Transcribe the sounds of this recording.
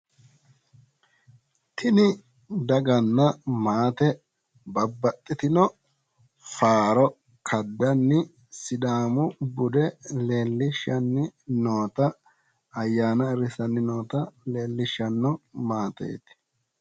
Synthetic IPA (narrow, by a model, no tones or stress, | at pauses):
t̪ʰɪnɪ | d̪ɐɡɐnːɐmaːt̪ɛ | bɐbːɐt̪ʼːɪt̪ɪnɔ | faːɾɔ | kʰɐd̪ːɐnːɪ | sɪd̪aːmʊbʊd̪ɛleːlːɪʃːɐnːɪnoːt̪ɐ | ɐjːaːnɐɪɾɪsɐnːɪno̞ːt̪ɐleːlːɪʃːɐnːɔmaːt̪ḛːt̪